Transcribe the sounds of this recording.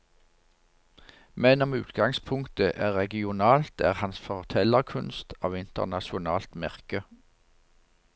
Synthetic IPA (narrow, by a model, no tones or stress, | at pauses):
mɛnɔmʉːt̪ɡɑŋspʰʊŋkt̪əʔæːʁɛɡɪʊnɑːlt̪æ̰ːʁhɑnsfɔʁt̪ʰɛləʁkʰʉnst̪ʰɑ̰ːʋɪnt̪ə̰ʁnɑʃʊnɑ̰ːlt̪mæʁkə